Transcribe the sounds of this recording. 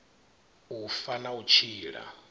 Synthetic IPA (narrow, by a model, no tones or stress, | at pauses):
ufanaut͡ʃʰiːɺa̰